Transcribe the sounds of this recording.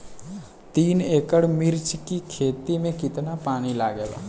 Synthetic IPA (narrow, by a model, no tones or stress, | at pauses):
t̪iːneːkəɽmɪɾt͡ʃkikʰeːt̪imẽkɪt̪napaːɽ̃ilaːɡeːba̰